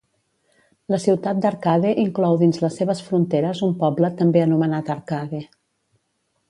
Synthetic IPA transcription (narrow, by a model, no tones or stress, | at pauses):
ləsiwt̪at̪̚d̪əɾkaðeʔiŋklɔwðinzləsːeβ̞əsfɾunt̪eɾəzumpɔblət̪əmbeənumənat̪əɾkaðe